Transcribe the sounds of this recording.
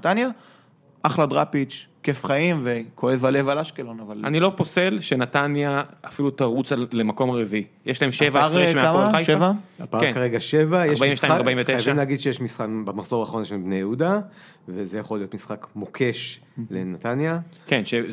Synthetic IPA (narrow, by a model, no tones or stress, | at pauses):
t̪anja | ʔaχlad̪ʁapit͡ʃkefχaimvekʰo̞evale̞valaʃkelonavalanilo̞pose̞lʃe̞natanjaːfilut̪aʁut͡salemako̞maʁeviijeʃlaemʃevaaʁʁemeaaaχajʃvaapaʁkːaʁeɡaʃevajaeʁbaimveʃtaimaʁbaimveteajaʃvimleaɡid̪ʃejeʃmisχabamaχz̥o̞ʁaːχaʁonjeʃebnejeud̪a | vezejaχo̞lio̞t̪misχakmokʰe̞ʃ | lenat̪anjakenʃe